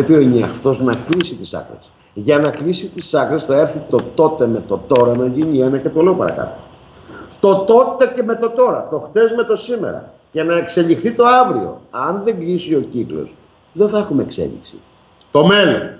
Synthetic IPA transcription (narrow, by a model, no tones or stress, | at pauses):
epio̞ineɐ̰ft̪o̞znɐklisit̪isɐ̰kɾes | ʝɐnɐklisit̪isɐkɾesθɐe̞ɾθit̪o̞t̪o̞t̪e̞me̞t̪o̞t̪o̞ɾɐnɐʝiɲienɐcet̪ole̞opɐɾɐ̰kɐ̰t̪o | t̪o̞t̪o̞t̪e̞ceme̞t̪o̞t̪o̞ɾɐ̰t̪o̞xt̪e̞zme̞t̪o̞simḛɾɐ̰ | ce̞nɐekse̞ʎixθit̪o̞ɐvɾio̞̰ɐnðe̞ŋɡlisio̞ciklo̰s | ðeθɐexumeeksḛʎḭksḭ | t̪o̞me̞lo̰n